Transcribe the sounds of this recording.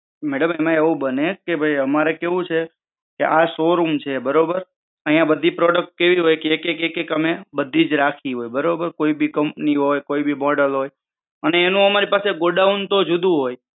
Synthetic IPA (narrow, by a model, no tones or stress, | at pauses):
mɛɽəmemãeʋũbənekebʱəjəmaɾekeʋũt͡ʃʰe | keʔasoɾumt͡ʃʰebəɾobəɾ | əɦijãbəd̪ʱipɾɔɽək̚ʈ̚keʋiɦojkeekekekekəmebəd̪ʱːid͡ʒɾakʰiɦojbəɾobəɾkoibʱikəmpniɦojkoibʱimɔɽəlɦoj | əneːnũəmaɾipaseɡoɖaunt̪od͡ʒud̪ũɦoj